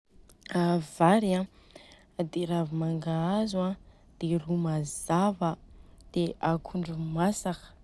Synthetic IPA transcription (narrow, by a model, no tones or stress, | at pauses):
avaɾiã | d̪eɾavimaŋɡaazua | d̪̥erumazavəd̪̥eakʰuɳɖ͡ʐumasakə̥